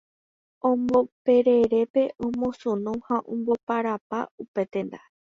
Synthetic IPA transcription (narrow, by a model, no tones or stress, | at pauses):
õmbope̞ɾeɾe̞pe̞ʔõmõsũnũhãʔõmbopaɾapaupe̞t̪ẽ̞nd̪a̰